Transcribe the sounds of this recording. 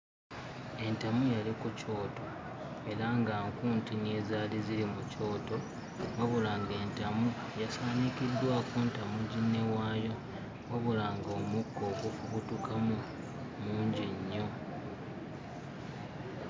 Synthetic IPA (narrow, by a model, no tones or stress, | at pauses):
e̞ntamujalikuco̞ːto̞ | e̞ɾaŋɡaːŋkuːntine̞ːzaːlizilimuco̞ːto̞ | waβulaŋɡe̞ːntamu | jasaːnikid̪ːwaːkuntamuɟinːe̞waːjo̞ | waβulaŋɡoːmukːo̞ːkufuβutukʰamu | muːɲɟiɲːo̞